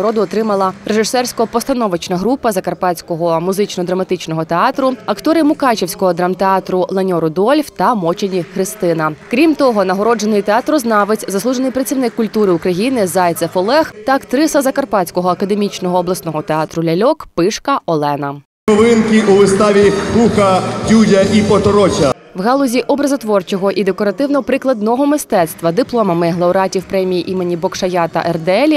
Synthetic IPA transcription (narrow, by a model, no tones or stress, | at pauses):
ɔɾɔd̪ʊɔt̪ɾɪmɐlˠɐɾeʒɪsɛrsʲkɔɔpɔst̪ɐnɔʋɪt͡ʃnɐɦɾupɐzɐkɐrpɑt͡sʲkɔɦɔmʊzɪt͡ʃnɔd̪ɾɐmɐt̪ɪt͡ʃnɔɦɔt̪eɑt̪ɾʊɐkt̪ɔɾɪmʊkɑt͡ʃewsʲkɔɦɔd̪ɾɑmt̪eɑt̪ɾʊlˠɐnʲɔɾʊd̪ɔlʲft̪ɐmɔt͡ʃenʲixɾɪst̪ɪnɐkɾʲimt̪ɔɦɔnɐɦɔɾɔd͡ʒenɪjt̪eɑt̪ɾʊznɑʋɪt͡sʲzɐsˠuʒenɪjpɾɐt͡sʲiwnɪkːʊlʲt̪uɾɪʊkɾɐjinɪzɑjt̪ɐfɔlˠɛxt̪ɐkt̪ɾɪsɐzɐkɐrpɑtʲt͡sʲkɔɦɔɐkɐd̪emʲit͡ʃnɔɦɔːblˠɐsnɔɦɔt̪eɑt̪ɾʊlʲɐlʲɔkpɪʃkɐɔlˠɛnɐ | nɔʋɪnkɪʔuʋɪst̪ɑʋʲikuxɐdʲudʲɐʔipɔt̪ɔɾɔt͡ʃʲɐ | wɦɑlˠɔzʲiʔɔbɾɐzɔt̪ʋɔrt͡ʃɔɦɔʔid̪e̞kɔɾɐt̪ɪwnɔpɾɪklˠɐd̪nɔɦɔmɪst̪ɛt̪st̪ʋɐd̪ɪplˠɔmɐmɪɦlˠɐuɾɑtʲiwpɾɛmʲijiʔimenʲibɔkʃɐjɑt̪ɐ̰ʔɛrd̪eɛlʲi